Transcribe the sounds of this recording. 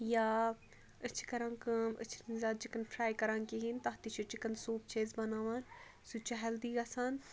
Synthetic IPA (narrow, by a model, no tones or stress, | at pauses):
jaː | ət͡ʃʰi̥kɐɾãːnkɐmə̰t͡ʃʰinzaːd̪̚d͡ʒikɐnfʰɾaːjkɐɾãːnkiɦint̪ɐɦt̪it͡ʃʰut͡ʃikɐnsuːp̚t͡ʃʰeːzbɐnaːʋaːn | sut͡ʃɐɦɐld̪iːɡɐsaːn